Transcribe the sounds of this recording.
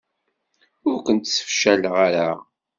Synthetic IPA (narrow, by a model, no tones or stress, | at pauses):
ʊɾkʷənt̪sə̥fʃælʁaɾa